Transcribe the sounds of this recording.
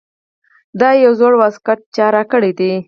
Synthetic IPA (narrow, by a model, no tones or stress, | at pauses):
d̪ɑjawzoɽwazkat̪̚t͡ʃɑɾakəɽed̪e